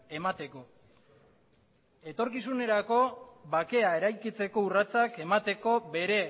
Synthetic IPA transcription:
e̞mat̪e̞ko̞ | e̞t̪o̞ɾkisune̞ɾako̞βake̞ae̞ɾajkit͡se̞ko̞urat͡sake̞mat̪e̞ko̞be̞ɾe̞

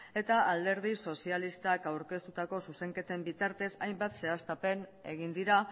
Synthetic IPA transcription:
e̞t̪aʔald̪e̞ɾð̞iso̞sialist̪akawɾke̞st̪ut̪ako̞suse̞ŋke̞t̪e̞mbit̪aɾt̪e̞sajmbat̪se̞ast̪ape̞ne̞̰ɣ̞ind̪iɾa

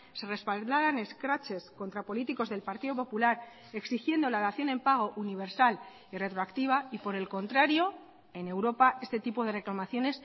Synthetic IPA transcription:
se̞re̞spald̪aɾane̞skɾat͡ʃe̞sko̞nt̪ɾapo̞lit̪iko̞zðe̞lpaɾt̪iðo̞po̞pulaɾ | e̞ksixje̞nd̪o̞laðaθjo̞nempaɣ̞o̞ʔuniβ̞e̞ɾsal | ire̞t̪ɾoakt̪iβ̞aipo̞ɾe̞lko̞nt̪ɾaɾjo̞ | e̞ne̞wɾo̞pae̞st̪e̞t̪ipo̞ð̞e̞re̞klamaθjo̞ne̞s

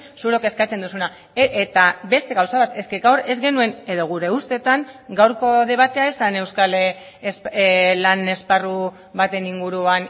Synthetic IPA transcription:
suɾo̞ke̞skat͡se̞nd̪usuna | et̪abe̞st̪e̞ɣawsaβat̪e̞ske̞ɡawɾe̞zɡe̞nue̞ne̞ðo̞ɣ̞uɾe̞ust̪e̞t̪aŋɡawɾko̞ðe̞β̞at̪e̞aesane̞wskale | slane̞sparu | βat̪e̞niŋɡuɾuan

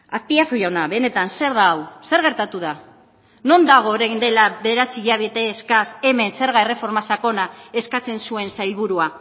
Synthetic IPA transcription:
aspiasuʝawnaβe̞ne̞t̪anse̞ɾðaːwse̞ɾɣe̞ɾt̪at̪uð̞a | no̞nd̪aɣ̞o̞ːɾejnd̪e̞laβe̞ðe̞ɾat͡siɣiaβet̪eːskase̞me̞nse̞ɾɣaere̞fo̞ɾmasako̞nae̞skat͡se̞nsue̞nsajlβuɾua

